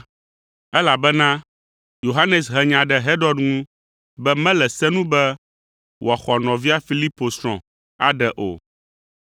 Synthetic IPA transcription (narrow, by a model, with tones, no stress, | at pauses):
ɛ˦la˨bɛ˦nã˦ | jo˨ɦa˦nɛ˨sɦɛ˨ɲã˨ɖɛ˨ɦɛ˦ɖɔ˦ɖŋũ˦ | bɛ˦mɛ̃˦lɛ˨sɛ˦nũ˦bɛ˦ | wo˨a˨xɔ˨nɔ̃˨vi˦a˦fi˦li˦po˨sɾ̃ɔ̃˨ | a̰˨ɖɛ˨ʔo̰˨